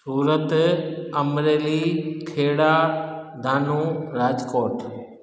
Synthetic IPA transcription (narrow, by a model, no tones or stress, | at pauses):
suːɾət̪əmɾeːliːkʰeːɽaːd̪ʱaːnuːɾaːd͡ʒkoːʈ